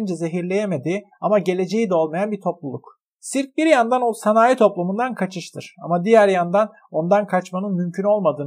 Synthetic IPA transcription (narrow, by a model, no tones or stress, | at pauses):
nd͡ʒɛze̞ɦiɾlʲe̞jeme̞d̪i | amaɟe̞lʲe̞d͡ʒejid̪ɛo̞lˠmajanbit̪ʰo̞plˠulˠuk | siɾc̚biɾjand̪anosanaːjit̪ʰo̞plˠumund̪ankʰat͡ʃʰɯʃt̪ʰɯɾ̥a̰mad̪ijæɾjand̪an | o̞nd̪ankʰat͡ʃmanɯnmymcʰyno̞lˠmad̪ɯːn